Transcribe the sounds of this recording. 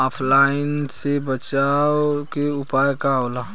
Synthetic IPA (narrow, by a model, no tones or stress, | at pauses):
aːpʰlaːɪnsebət͡ʃaːokeʊpaːjkaolaː